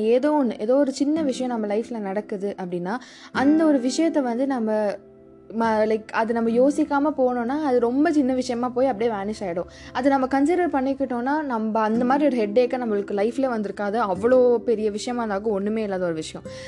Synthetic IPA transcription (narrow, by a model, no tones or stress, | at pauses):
eːðoːnʔeːðoːɔɾɯt͡ʃɪnːɐʋɪʂɐjɔ̃nɐmbɐlɐɪfɪlɐnɐɽɐkːɯðɯʔɐpːɐɽɪnːaː | ʔɐnd̪ɐɔɾɯʋɪʂɐjɐt̪ːɛʋɐnd̪ɯnɐmbɐ | mlɐɪkɐðɯnɐmbɐjoːsɪkːaːmɐpoːɐɳõːnːaːɐðɯɾɔmbɐt͡ʃɪnːɐʋɪʂɐjɐmaːpoːjɐpːɐɽijeʋaːnɪʂaːjɪɽʊ̃ | ɐðɯnɐmːɐkɐnsɪɾɐɾpɐɳːɪkːɪʈːõːnːaːnɐmbɐɐnd̪ɐmaːd̪ɾiɔɾɯɦɛɖːeːkːɐnɐmːɯɭɯkːɯlɐɪfɪleːʋɐnd̪ɯɾɯkːaːðɐɐʋːɐɭoːpɛɾɪjɐʋɪʂɐjɐmaːd̪aːkɐ̃ɔɳːɯmeːɪlːaːðɐɔɾɯʋɪʂɐjɔ̃